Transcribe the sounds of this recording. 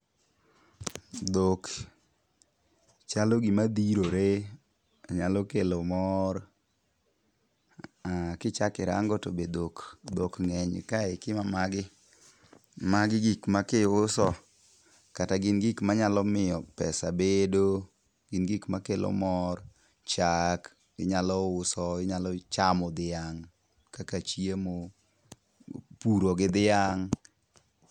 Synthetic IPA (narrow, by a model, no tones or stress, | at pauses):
d̪ok | t͡ʃaloɡimad̪iɾoɾe | aɲalɔkelomɔr | akɪt͡ʃakɪɾa̰ŋɡɔtobed̪okd̪okŋɛɲ̰kaɪkɪmamaɡɪ | maɡɪɡikmakɪʊsɔ | kataɡɪnɡikmaɲalɔmɪjɔpɛsabedo | ɡ̥ɪnɡikmakelo̰mɔr | t͡ʃak | ɪɲalɔʊsɔɪɲalɔt͡ʃamɔd̪ɪjaŋ | kakat͡ʃiemo | puɾoɡɪd̪ɪaŋ